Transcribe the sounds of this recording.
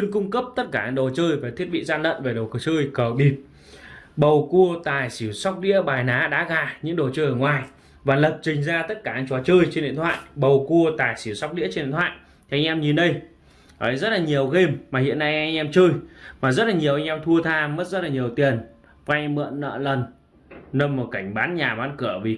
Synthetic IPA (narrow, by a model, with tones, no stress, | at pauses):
i˧nkʊ˧ŋ͡mkə˦˥p̚t̪ə˦˥t̚kaː˧˩ʔa˧nɗo˨˩t͡ɕɨː˧jvaː˨˩t̪ʰi˦˥ət̚ɓḭ˧˨zaː˧nlə̰˧˨nve˨˩ɗə˨˩kɨ˨˩t͡ɕɨː˧jkəː˨˩ɓi˨˩p̚ | ɓə˨˩wku˧ət̪aː˨˩jsi˧˩˦wsa˦˥wk͡p̚ɗḭ˧˥əɓaː˨˩jnaː˨˦ɗa̰ː˧˥ɣaː˨˩ɲɨ̰˧˥ŋɗo˨˩t͡ɕɨː˧jʔəː˨˩ŋwaː˨˩j | vaː˨˩lə˨˩p̚t͡ɕï˨˩ŋ̟zaː˧t̪ə˦˥t̚kaː˧˩a˧ŋ̟t͡ɕɔ˨˦t͡ɕɨː˧jt͡ɕe˧nɗḭ˧˨t̪ʰwa̰ː˧˨jɓə˨˩wku˧ət̪aː˨˩jsi˧˩wsa˦˥wk͡p̚ɗḭ˧˥ət͡ɕnɗt̪ʰwa̰ː˧˨jt | t̪ʰi˨ʔa˧jŋ̟ʔɛ˧mɲi˨˩nɗə˧j | ʔəː˨˦jzə˦˥t̚laː˨˩ɲi˨˩əwɣe˧mːaː˨˩hḭ˧˨ənːa˧jʔa˧jŋ̟ʔɛ˧mt͡ɕɨ˧jmaː˨˩zə˦˥t̚laː˨˩ɲi˨˩əwʔa˧ŋ̟ʔɛ˧mt̪ʰu˧ət̪ʰaː˧mə˦˥t̚zə˦˥t̚laː˨ɲi˨˩əwt̪i˨˩ən | ka˧jmɨ̰˧˨nːə̰ː˧˨lə˨˩n | nə˧mmo˨˩t̚ka˧˩jŋ̟ɓaː˨˦nɲaː˨˩ɓaː˨˦nkɨ˧˩əvi˨˩